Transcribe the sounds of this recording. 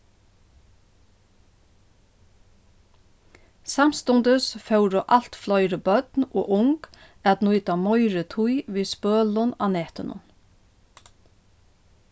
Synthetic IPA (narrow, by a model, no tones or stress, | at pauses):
sam̥st̪ʊnt̪əsfœwɾʊʔal̥t̪flɔʏɾəbœt̪no̰ːʔʊŋk | æt̪nujt̪amɔjɾɪt̪ʰujʋiːspøːlʊna̰ːnɛːht̪ɪnʊ̰n